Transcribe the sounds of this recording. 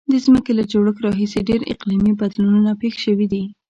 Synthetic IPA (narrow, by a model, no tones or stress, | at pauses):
d̪əzməkelad͡ʒoɽəkɾɑɦiseɖeɾɪ̰qlimibad̪lunnapexʃəwid̪i